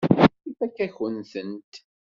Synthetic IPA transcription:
ifækːæçənθənt̪

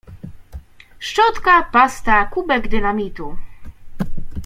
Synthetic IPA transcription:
ʂt͡ʂɔt̪kapast̪akubɛɡd̪ɘnamʲit̪u

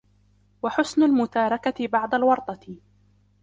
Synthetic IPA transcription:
waħʊsnalmʊt̪aːɾˤɑkabɑʕd̪alwɑɾˤt̪ˤɑ

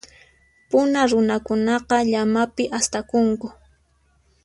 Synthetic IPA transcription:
pʊnaɾʊnakʊnɑqɑʎamapɪʔast̪akʊŋkʊ

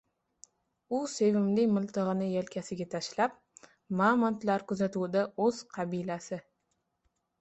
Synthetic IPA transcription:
ʊse̞vɪmlɪmʊlˠt̪ʰɨʁɨnɪjelkʲʰasɪɡʲat̪ʰaʃlap̚ | mamant̪laɾkʊzat̪ud̪aɵz̥qʰɑbilasɪ

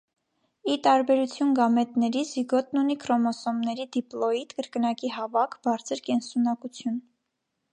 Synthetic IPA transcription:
it̪ɑɾbɛɾut͡sʰjunɡɑmɛt̪nɛɾiziɡɔt̪̚nunikʰɾɔmɔsɔmnɛɾid̪iplɔit̪kəɾkənɑkiɦɑvɑkʰb̥ɑɾt͡sʰəɾkɛnsunɑkut͡sʰjun

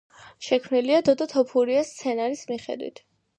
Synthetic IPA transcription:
ʃɛkʰmniliad̪ɔd̪at̪ʰɔpʰuɾiast̪sʰɛnaɾismiχɛ̰d̪wḭt̪ʰ

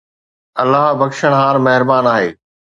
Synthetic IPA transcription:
ɐlːaːɦbɐkʃəɽ̃ɦaːɾmɐɦɪɾbaːnaːɦeː

